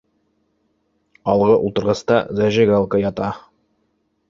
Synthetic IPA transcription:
ɒlˠʁɤʔṵlˠt̪ɤ̆ɾʁɑst̪ɑzæʒɘɡalˠkəjɑt̪ɑ

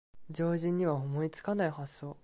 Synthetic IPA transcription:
d͡ʑo̞ːʑĩɲ̟ːiβaomo̞it͡sɨ̥kanaihasːo̞ː

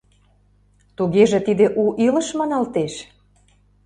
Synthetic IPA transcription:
t̪uɣeʒĕt̪id̪eʔuʔilə̆ʃmɑnɑlt̪eʃ

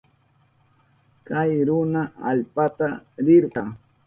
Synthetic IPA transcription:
kajɾʊnaalpat̪aɾɪɾɢɑ

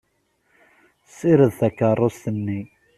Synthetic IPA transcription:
siɾəðθækːərˤːost̪ənːi

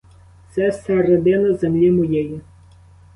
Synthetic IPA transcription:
t̪sɛsɛɾed̪ɪnɐzemlʲimɔjeji

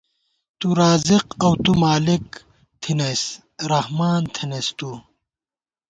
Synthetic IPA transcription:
t̪uɾaːziqɐwt̪umaːlik | t̪ʰinɐs | ɾɐhmaːnt̪ʰinest̪u

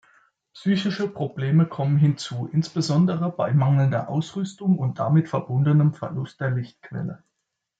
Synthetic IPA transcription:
psyːçɪʃəpʁ̥obleːməkʰɔmənɦɪnt͡suːʔɪnsb̥əzɔndəʁəbaɪmaŋl̩ndɐ̰ʔaʊsʁʏstʊŋʊnt̚d̥a̰mɪtfɛɐbʊndənəmfɛɐlʊst̚d̥eːɐlɪçtkv̥ɛ̰lə

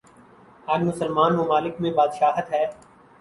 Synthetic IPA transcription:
ɐɡmʊsəlmaːnmʊmaːlɪkmẽbaːd̪ʃaːɦət̪ɦɛː

